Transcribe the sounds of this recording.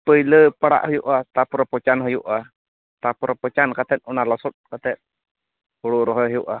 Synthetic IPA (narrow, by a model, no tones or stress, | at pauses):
pəjləpaɽa̰ʔhɔjuʔat̪apɾɔpɔt͡ʃanɦəjuʔa | t̪apɔɾɔpɔt͡ʃankat̪ɛt̪̚unalasɔt̪̚kat̪ɛt̪̚ | huɽuɾɔɦɔɦəjuʔa